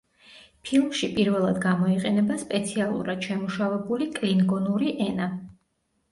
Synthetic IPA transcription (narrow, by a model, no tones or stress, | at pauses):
pʰilˠmʃipʼiɾvɛlˠad̪ɡamɔiqʼɛnɛbaspʼɛt̪sʰialˠṵɾad̪̥ʃɛmuʃavɛbulikʼliŋɡɔnuɾiʔɛna